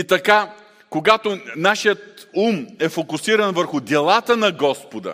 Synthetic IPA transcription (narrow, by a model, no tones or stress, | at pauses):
it̪ɐka | koɡat̪onaʃijət̪umɛfokʊsiɾɐnvəɾxʊd̪ʲɛlˠat̪ənɐɡɔspod̪ə̰